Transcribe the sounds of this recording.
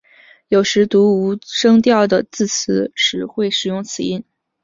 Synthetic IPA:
jo˨˩ʊʂɻ̩˧˥t̪u˧˥u˧˥ʂɤ˥ŋt̪jɑ˥˩ʊd̪ə˩t͡sɹ̩˥˩t͡s̩ʰ˧˥˦ʂɻ̩˨˩xwe˥˩ɪʂɻ̩˨˩jʊ˥˩ŋt͡sʰɹ̩˨˩i˥˩n

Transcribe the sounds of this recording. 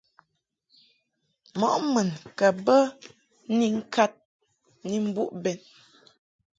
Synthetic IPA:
mɔ˨ʔmə˨nkə˨bə˦ | ni˦ŋ̩˦kʰa˦t̚ | ni˦m̩˦bṵ˦ʔbɛ˨n

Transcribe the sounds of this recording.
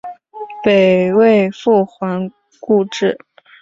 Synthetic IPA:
pe˨˩ɪwe˥˧ɪfu˥˩xwa˧˥n | ku˥˧ʈ͡ʂɻ̩˥˩

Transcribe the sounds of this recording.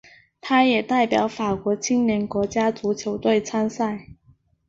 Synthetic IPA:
t̪ʰa˥jɛ˨˩t̪a˥˩ɪpjɑ˨˩˥ʊfa˨˩kwɔ˧˥t͡ɕʰi˥ŋnjɛ˧˥nkwɔ˧˥t͡ɕja˥t͡su˧˥t͡ɕʰjo˧˥ʊt̪we˥˩ɪt͡sʰa˥nsa˥˩ɪ

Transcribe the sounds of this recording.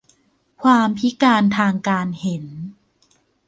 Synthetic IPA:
kʰwaː˧mpʰi˦˥kaː˧nt̪ʰaː˧ŋkaː˧nhe˨˩˦n

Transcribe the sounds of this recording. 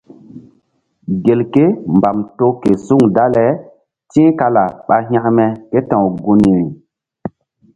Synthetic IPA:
ɡe˨lke˦mba˨mto˦ke˨su˦ŋda˦lɛ˨˦ | tĩ˦ka˦la˨ɓa˨ɦj̃ã˦ʔmɛ˨ke˦tã˨wɡu˨ni˨ɾi˨

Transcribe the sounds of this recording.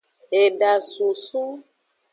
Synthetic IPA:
e˨ɖa˨su˨su˦

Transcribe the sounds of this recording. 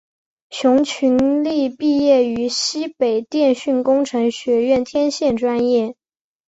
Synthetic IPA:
t͡ɕʰjʊ˧˥ŋt͡ɕʰy˧˥nli˥˧pi˥˧jɛ˥˩y˧˥ɕi˥pe˨˩ɪt̪jɛ˥˧nɕy˥˩nkʊ˥ŋʈ͡ʂʰɤ˧˥ŋɕɥɛ˧˥ɥɛ˥˩nt̪ʰjɛ˥nɕjɛ˥˩nʈ͡ʂwa˥njɛ˥˩

